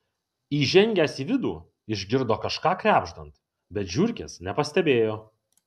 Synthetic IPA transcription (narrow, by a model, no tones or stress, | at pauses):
iːʒʲɛŋʲɡʲæːsiːʋʲɪd̪uː | ɪʒʲɡʲɪɾd̪oːkɐʃkɑːkɾʲæːbʒd̪ɐnt̪ | bʲɛt̪ʒʲʊɾʲkʲḛsnʲɛpɐsʲt̪ʲɛbʲeːjoː